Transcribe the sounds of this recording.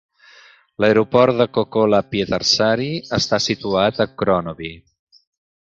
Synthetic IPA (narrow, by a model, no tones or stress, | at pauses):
ləjɾupɔɾt̪̚d̪əkokolapjət̪ərsaɾiəst̪asit̪uat̪əkɾɔnoβi